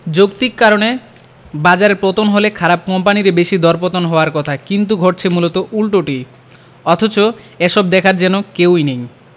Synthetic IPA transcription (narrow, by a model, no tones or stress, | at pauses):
d͡ʑok̚t̪ikːaɾone | bad͡ʑaɾeɾpɾot̪onɦolekʰaɾab̚kɔmpaniɾebeʃid̪ɔɾpot̪onɦɔoaɾkɔt̪ʰakint̪̬uɡʱɔʈ̚t͡ɕʰemulot̪oʔulʈoʈi | ɔt̪ʰot͡ɕo | eʃɔb̚d̪ɛkʰaɾd͡ʑɛnokewinej